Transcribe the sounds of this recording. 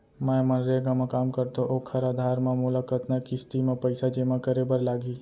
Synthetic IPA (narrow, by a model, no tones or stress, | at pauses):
mãjmɐ̃nɾeɡamãkaːmkəɾt̪oʔoːkʰɐɾaːd̪ʱaːɾmãmʊlakət̪nakist̪imãpəɪsad͡ʒeːmãkəɾebəɾlaːɡiː